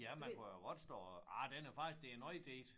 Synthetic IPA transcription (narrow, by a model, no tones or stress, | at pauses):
jæmænkʰujoɡɒd̥sd̥ɒ̰ːɑd̥enæɐfɑ̈ɡ̥isɡ̥̚d̥e̝enɒɪd̥ḛːd̥